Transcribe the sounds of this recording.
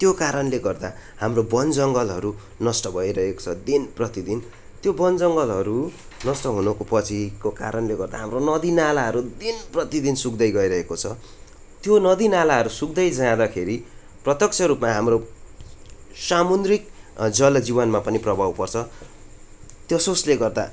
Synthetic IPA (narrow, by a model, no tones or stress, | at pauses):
t̪jokaɾʌnleɡʌrd̪ahamrobʌnd͡zʌŋɡʌlɦʌɾu | nʌsʈʌbʱʌjɾʌɦeko̥t͡sʰʌd̪inprʌt̪id̪ʱin | t̪jobʌnd͡zʌŋɡʌlɦʌɾu | nʌsʈʌɦunʌkopʌt͡sʰikoka̰ɾʌnleɡʌrd̪a̰ɦamronʌd̪inalaɦʌɾud̪inprʌt̪id̪insuk̚d̪ʌjɡʌiɾʌɦekot͡sʰʌ | t̪jonʌd̪inalaɦʌɾusuk̚d̪ʌjd͡zʌãd̪akʰeɾi | prʌt̪jʌkt͡sʰʌɾupmaɦamro | samund̪rikd͡zʌld͡zibʌnmapʌniprʌbʱawpʌrt͡sʰʌ | t̪jʌsosleɡʌrd̪a̰